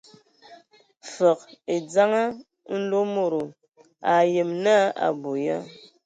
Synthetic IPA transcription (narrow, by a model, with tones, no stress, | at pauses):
fə˨k̚e˨d͡za˦ŋa˦ | n̩˦lo˦mo˨ɾo˨ | a˨je˨mna˦a̰˨bo˨ja˦